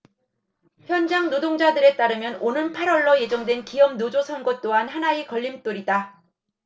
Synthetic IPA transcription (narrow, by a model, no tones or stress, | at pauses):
çjʌnd͡ʑaŋnodoŋd͡ʑadɯɾe̞t͈aɾɯmjʌnonɯnpʰaɾwʌɭːʌje̞d͡ʑʌŋdwe̞nkijʌmnod͡ʑosʰʌnɡʌt͈oɦanhanaikʌʎːimt͈oɾida